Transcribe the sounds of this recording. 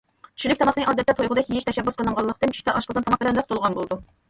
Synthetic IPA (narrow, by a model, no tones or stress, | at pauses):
t͡ʃʰy̥ʃlykʲt̪ɑmɑχnɨŋʔɑd̪ɛt̪ːɛt̪ʰojʁʊd̪ɑkʰʲijiʃt̪ʰɛʃɛbːusqʰəlˠəŋʁɑlˠːəχt̪ɨnt͡ʃʰy̥ʃt̪ʰɛʔɑʃqəzɨnt̪ʰɑmɑχ̚bɪlɛnd̪ɛt̪ulˠʁɑnbolˠɨd̪u